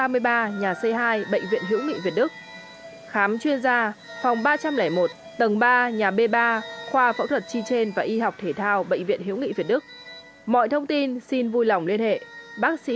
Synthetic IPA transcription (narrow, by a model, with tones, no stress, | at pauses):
aː˧mɨ˧əjɓaː˧ɲaː˨˩sə˧jɦaː˧jɓə̰˧˨ŋvḭ˧˨ənɦḭ˧˥wŋḭ˧˨vi˨˩ət̚ɗɨ˦˥k̚ | xaː˨˦mt͡ɕwi˧ənzaː˧va˨˩wŋ͡mɓaː˧t͡ɕa˧mlɛː˧˩jmo˨˩t̚ | t̪ə˨˩ŋɓaː˧ɲaː˨˩ɓe˧ɓaː˧xwaː˧fə̰˧˥w̚t̪ʰə˨˩t̚t͡ɕi˧t͡ɕe˧nvaː˨˩ʔi˧ɦa˨˩wk͡p̚t̪ʰe˧˩t̪ʰaː˧wɓə̰˧˨ŋ̟vḭ˧˨ənɦḭ˧˥wŋḭ˧˨vi˨˩ɗɨ˦˥k̚ | mɔ̰˧˨jt̪ʰə˧wŋ͡mt̪i˧nsi˧nvu˧jla˨˩wŋ͡mli˧ənhḛ˧˨ɓaː˦˥k̚sḭ˧˥